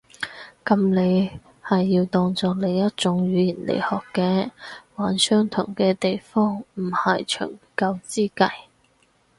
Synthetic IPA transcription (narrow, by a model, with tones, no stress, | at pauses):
kɐ˨˧mle˨˧j | hɐ˨jːiː˧wt̪ɔː˧ŋt͡sɔː˨k̚le˨˧jjɐ˥t̚t͡sʊ˨˧˥ŋɥyː˨˧jiː˨˩nlḛ˨˩jhɔː˨˩kːɛː˧waː˨˥nsœː˥ŋt̪ʰʊ˨˩ŋkɛː˧t̪e˨jfɔː˥ŋm̩˨˩hɐ˨jt͡ʃʰɵ̰ː˨˩ŋkɐ˧wt͡siː˥kɐ̰˧j